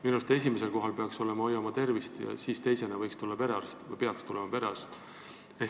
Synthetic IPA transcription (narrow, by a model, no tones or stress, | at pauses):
minust̪es̬ʲimes̬e̞lko̞ɦɑlpe̞ɑkso̞le̞mɑojɑmɑt̪e̞rvist̪jɑ̰siːst̪e̞jse̞nɑvɤjkst̪ulːɑpe̞ɾɑst̪peɑkst̪ulemɑpeɾɑ̰st̪ | e